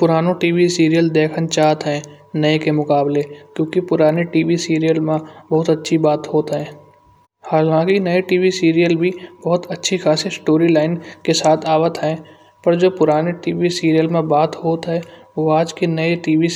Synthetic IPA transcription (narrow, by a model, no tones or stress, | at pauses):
pʊɾaːnoʈiːʋisiːɾijəld̪eːkʰənt͡ʃaːt̪ɦɛ̃ː | nɐekemʊkaːblekjõːkipʊɾaːneʈiːʋisiːɾijəlmẽbɐɦʊt̪ɐtːʃʰibaːt̪ɦoːt̪ɦɛ̃ː | haːlãːkinɐeʈiːʋisiːɾijəlbʱibɐɦʊt̪ɐtːʃʰixʰaːsesʈoːɾilaːɪnkesaːt̪ʰaːʋət̪ɦɛ̃ː | pɐɾd͡ʒoːpʊɾaːneʈiːʋisiːɾijəlmẽbaːt̪ɦoːt̪ɦɛ̃ʋoaːd͡ʒkinɐeʈiːʋi